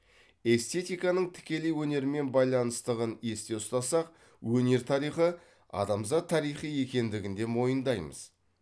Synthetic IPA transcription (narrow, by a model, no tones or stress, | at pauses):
e̞st̪e̞t̪ijkɑnəɴt̪ʰɪ̥kʲe̞lewɵne̞ɾɪme̞nbɑjlˠɑnəst̪əʁəne̞st̪e̞ʊst̪ɑsɑq | wɵne̞ɾt̪ʰɑɾijχə | ɑ̰d̪ɑmzɑt̪ʰːɑɾijχije̞kʲe̞nd̪ɪɡʲɪnd̪e̞mo̞jənd̪ɑjmə̰z